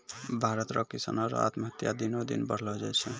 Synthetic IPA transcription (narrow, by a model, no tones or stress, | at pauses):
bʱaɾət̪ɾɔkisa̰nɔɾa̰t̪məɦət̪jad̪inod̪ḭnbəɽ̤lɔd͡ʒajt͡ʃʰɛ